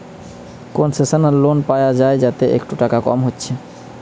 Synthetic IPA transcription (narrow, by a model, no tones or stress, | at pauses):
konsesənəɾlonpajad͡ʒaed͡ʒat̪eʔḛkʈuʈakakɔ̰mɦot̪ːt͡ʃʰe